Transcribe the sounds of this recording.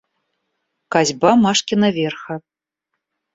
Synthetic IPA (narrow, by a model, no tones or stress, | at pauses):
kazʲbamaʂkʲinɐvʲerxɐ